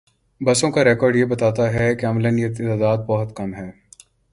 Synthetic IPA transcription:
bɐsõkaɾɛːkɔːɾɖjebɐt̪aːt̪aɦɛkeɐmlənjet̪t̪ad̪aːd̪̚bɐɦɔt̪kɐmɦɛː

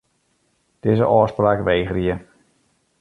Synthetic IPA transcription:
d̥ɪːzəʔɔːspraːkʋejχriə

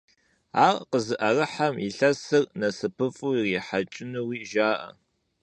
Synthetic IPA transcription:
aːrqəzɨʔɐrɨħamiɬɐsɨrnɐsɨpʰɨfʼuːriːħat͡ʃʼɪnɨwiːʒaːʔɐ̰

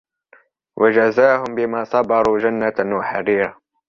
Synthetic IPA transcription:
wʔad͡ʒazaːɦʊmbɪmaːsˤɑbɑɾˤuːd͡ʒanːanwaħa̰ɾiːɾa

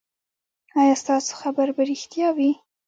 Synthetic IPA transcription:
ɑjɑst̪ɑso̥xabaɾbaɾɪxt̪jɑwi

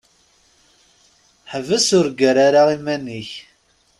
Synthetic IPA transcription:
ħəvəsʊɾɡəɾaɾaʁimænːiç

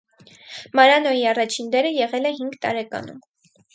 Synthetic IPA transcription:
mɑɾɑnɔjiɑrɑt͡ʃʰind̪ɛɾəjɛʁɛlɛɦiŋɡt̪ɑ̰ɾɛkɑ̰nṵm

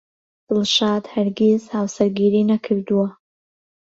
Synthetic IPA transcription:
d̪̥ɨlˠʃɑːd̪haɾɡezhaːwsɐɾɡiːɾiːnɐkʰɨɾd̪uwɐ

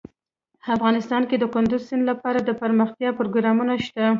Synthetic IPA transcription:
afɣɑnɪst̪ɑnked̪əkʊnd̪ʊzsɪnlapɑɾad̪əpəɾməxt̪jɑpɾoɡɾɑmunaʃt̪a

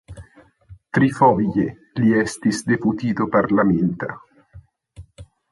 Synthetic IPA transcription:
t̪ɾifɔviʎe | liɛst̪isd̪eput̪iːt̪opaɾlament̪a̰

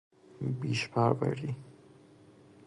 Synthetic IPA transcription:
biːʃpʰæɾbæ̰ɾiː

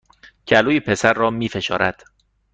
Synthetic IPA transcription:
cʰæluːjepʰe̞sæɾːɒːmiːfe̞ʃɒ̰ːɾʔæd̪̥

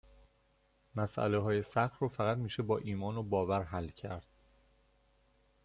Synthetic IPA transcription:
mæsʔæ̰leɦɒːjesæxrɒːfæɣæt̪miːʃebɒːʔiːmɒːnobɒːvæɾɦælːcʰæɾd̪̥

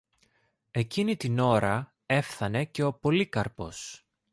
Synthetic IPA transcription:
e̞cinit̪ino̞ɾɐ | e̞fθɐne̞ce̞o̞po̞likɐɾpo̞s

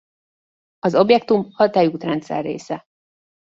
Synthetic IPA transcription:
ɒzo̞bjɛk̚t̪umhɒt̪aːjuːt̪rɛnt̪sɛ̰rːḛːsɛ

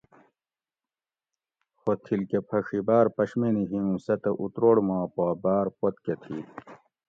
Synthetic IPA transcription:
xot̪ʰilkepʰɐʂibaːɾpɐɕminiɦiũsɐt̪ɐʔut̪ɾoːɽmaːpoːbaːɾpot̪ket̪ʰḭ

